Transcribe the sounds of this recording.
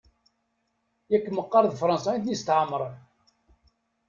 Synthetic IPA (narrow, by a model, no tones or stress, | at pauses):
jækːmːəqːɑɾðfɾˤɑnsɑnt̪nist̪ʕəmːəɾˤən